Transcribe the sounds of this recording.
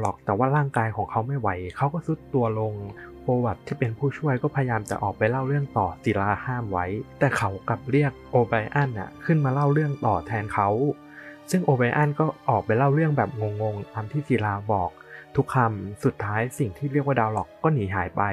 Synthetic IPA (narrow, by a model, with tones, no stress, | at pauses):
lɔ˨˩k̚t̪ɛː˨˩waː˥˩ɾaː˥˩ŋkaː˧jkʰɔː˩˦ŋkʰa˦˥wma˥˩jwa˦˥jkʰa˦˥wkɔː˥˩su˦˥t̪ːu˧ɐlo˧ŋpoː˧wa˨˩t̪ʰːiː˥˩pe˧npʰuː˥˩t͡ɕʰu˥˩əjkɔː˥˩pʰa˧ja˧jaː˧mt͡ɕa̰˨˩ʔɔ̰ː˨˩k̚pa˧jla˥˩wɾɯ˥˩əŋt̪ɔː˨˩si˨˩˦laː˧haː˥˩mwa˦˥jt̪ɛː˨˩kʰa˦˥wka˨˩p̚ɾi˥˩ək̚ʔoː˧ba˧jʔa˥˩nʔa̰˨˩kʰɯ˥˩nmaː˧la˥˩wɾɯ˥˩əŋt̪ɔː˨˩t̪ʰɛː˧nkʰa˦˥w | sɯ˥˩ŋʔoː˧ba˧jʔa˥˩nkɔː˥˩ʔɔː˨˩k̚pa˧jla˥˩wɾɯ˥˩əŋbɛː˨˩p̚ŋo˧ŋːo˧ŋt̪aː˧mt̪ʰiː˥˩si˨˩˦laː˧bɔː˨˩k̚t̪ʰu˦˥kʰːa˧msu˨˩t̪ʰːaː˦˥jsi˨˩ŋt̪ʰiː˥˩ɾi˥˩k̚waː˥˩daː˧wlɔ˨˩kːɔː˥˩niː˩˦ɦaː˩˦jpa˧j